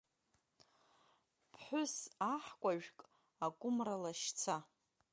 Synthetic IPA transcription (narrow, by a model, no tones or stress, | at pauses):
pʰħʷʊsaħkʷʼaʒᶣkʼ | akʷʼʊmralaʃt͡sʰa